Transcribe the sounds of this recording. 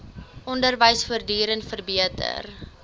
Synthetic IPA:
ʔɔndərvəjsfuərdiːɾənfərbiətʰə̰r

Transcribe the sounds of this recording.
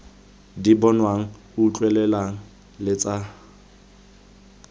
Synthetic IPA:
dibɔnwaŋ̩ | ut͡ɬʼwɛlɛlaŋ̩ | lɪt͡sʼa

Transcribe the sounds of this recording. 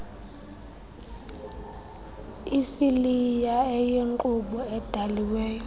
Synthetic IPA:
isilijaɛjeŋǃuɓɔɛd̥ʱaliweːjɔ

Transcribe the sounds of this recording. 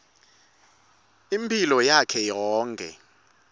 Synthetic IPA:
impʼilɔjakʰɛjɔːŋkʼɛ̰

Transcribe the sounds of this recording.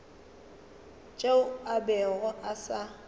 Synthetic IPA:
t͡ʃʼeʊabɛɣɔʔasa

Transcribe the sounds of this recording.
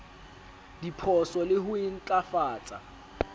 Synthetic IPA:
dipʰɔsɔlɪɦʊin̩t͡ɬʼafaːt͡sʼa̰

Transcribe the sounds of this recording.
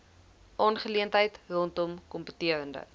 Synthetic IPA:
ʔɑːnχəliəntɦəjtrɔntɔmkɔmpətiəɾəndə̰

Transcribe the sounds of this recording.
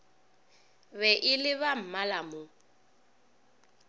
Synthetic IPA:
βɛʔɪlɪβam̩malamʊ

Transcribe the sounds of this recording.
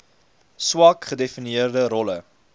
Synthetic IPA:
swɑkχədefiniiərdəɾɔlə

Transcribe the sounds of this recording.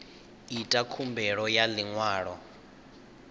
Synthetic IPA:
itʼakʰumbɛɺɔjaliŋwaːɺɔ

